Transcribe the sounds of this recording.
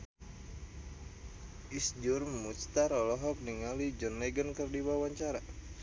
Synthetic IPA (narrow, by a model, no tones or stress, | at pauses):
isd͡ʒurmust̪aɾɔlɔɦɔk̚niŋalid͡ʒənlɛɡənkərdiwawaɲt͡ʃaɾa